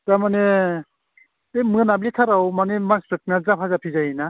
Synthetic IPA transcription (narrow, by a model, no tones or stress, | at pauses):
tamane | emɯnabletʰaɾawmanemanspʰɾet̚nazapʰazapʰizajina